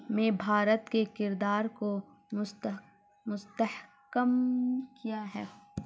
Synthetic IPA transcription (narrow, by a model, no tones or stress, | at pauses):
mẽbʱaːɾət̪kekɪɾd̪aːɾko | mʊst̪əh | kəmkijaɦɛː